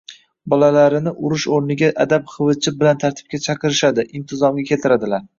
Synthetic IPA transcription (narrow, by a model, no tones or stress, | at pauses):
bɒlalaɾɪnɪʔʊɾʊʃoɾnɪɡʲaʔad̪apχɨvɨt͡ʃʰɪbɪlant̪ʰaɾt̪ʰɪ̥b̚kʲat͡ʃʰɑqʰɨɾɪʃad̪ɪʔɪmt̪ʰɪzɒmɡʲakʲʰe̞t̪ʰɪɾad̪ɪlaɾ